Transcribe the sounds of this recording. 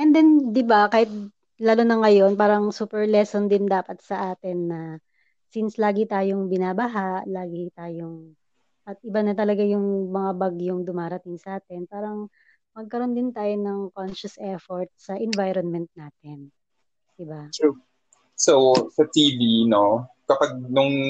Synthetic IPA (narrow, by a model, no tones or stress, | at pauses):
ʔɛnd̪ɛnd̪ɪbakaːhɪt̪̚ | laːlunɐŋɐjo̞npaːɾɐŋsuːpɛɹlɛsond̪ɪnd̪aːpɐt̪̚sɐʔaːt̪ɪnːɐ | sɪnslaːɡɪt̪aːjoŋbɪnaːbɐɦaʔlaːɡɪt̪aːjoŋ | ʔɐt̪̚ʔɪbɐnɐt̪ɐlɐɡajʊŋmɐŋabɐɡjʊŋd̪ʊmaːɾɐt̪ɪŋsɐʔaːt̪ɛnpaːɾɐŋ | mɐɡ̚kɐɾo̞nd̪ɪnt̪aːjonɐŋkonʃɐsʔɛfoɹt̪̚sɐʔɛnvajɾonmɛnt̪̚naːt̪ɪn | d̪̥ɪbat̪u | sowsɐt̪ivino | kɐpaɡ̚nʊŋ